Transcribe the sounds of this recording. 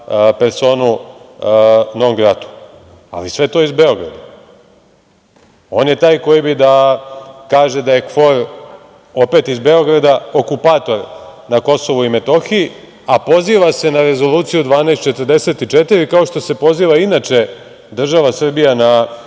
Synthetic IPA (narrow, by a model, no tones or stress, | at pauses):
pe̞ɾso̞ːnu | noomɡɾat̪u̥ | a̰lisʋe̞t̪o̞ːizbe̞o̞ɡɾa̰d̪a | o̞ːnjet̪aːjko̞jibid̪a | kaːʒe̞d̪aje̞kfo̞ɾ | o̞pe̞t̪izbe̞o̞ɡɾad̪ao̞kupaːt̪o̞ɾnako̞so̞ʋuime̞t̪o̞xii | apo̞ziːʋase̞naɾe̞zo̞luːt̪sijud̪ʋaːnest̪t͡ʃet̪ərd̪e̞se̞t̪it͡ʃet̪iɾikao̞ʃt̪o̞se̞po̞ziːʋainat͡ʃe̞ | d̪r̩ʒaʋasr̩bijana